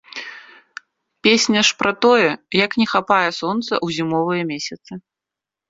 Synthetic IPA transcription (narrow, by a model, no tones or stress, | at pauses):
pʲesʲnʲɐʂpɾɐt̪ɔjɛjɐknʲɛxapajɛsɔnt̪sɐ̰ʔwzʲimɔvɨjɐmʲesʲɐt̪sɨ